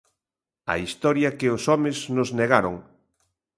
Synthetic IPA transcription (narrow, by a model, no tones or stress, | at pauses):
ɐ̰ist̪ɔɾjɐkɪosɔmeznʊzneɣaɾoŋ